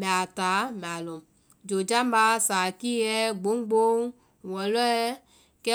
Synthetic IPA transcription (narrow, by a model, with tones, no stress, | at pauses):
mɛ̃˨a˨ta˨˦mɛ̃˨a˨lo˨m | d͡ʒo˨d͡ʒa˦mba˦sa˨ki˦ɛ˦ɡ͡bo˨˦ŋ˦ɡ͡bo˦ŋ˨ | wɔ˨lɔ˦ɛ˦ | kɛ˦